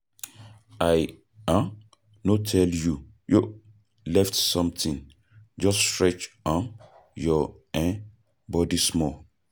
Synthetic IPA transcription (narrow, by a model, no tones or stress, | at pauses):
aj | ã | notʰɛlju | jo | lɛftsɔ̃mtʰĩn | d͡ʒɔstɹɛt͡ʃɔ̃n | jɔ | ɛ̃ | bɔdismɔ